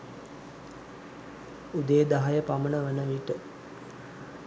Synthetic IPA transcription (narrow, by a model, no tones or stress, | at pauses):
ud̪əjəd̪aɦajəpamənəʋənəʋiʈə